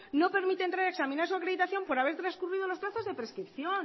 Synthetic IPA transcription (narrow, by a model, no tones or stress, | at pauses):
no̞pe̞ɾmit̪ent̪ɾaɾeksamĩnaɾsuakɾe̞ðit̪aθjo̞mpo̞ɾaβ̞e̞ɾt̪ɾaskuriðo̞lo̞splaθo̞zðe̞pɾe̞skɾipθjo̞n